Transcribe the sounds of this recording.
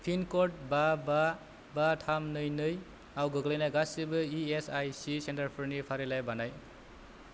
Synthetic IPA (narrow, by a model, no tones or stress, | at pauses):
pʰinkɔt̚baba | batʰamnɯjnɯj | awɡɯɡlejnajɡasibɯiesajsisentaɾpʰɯɾnipʰaɾelajbanaj